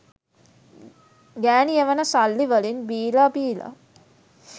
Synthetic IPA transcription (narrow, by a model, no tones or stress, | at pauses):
ɡæːnijəʋənəsalːiʋəlinbiːlabiːla̰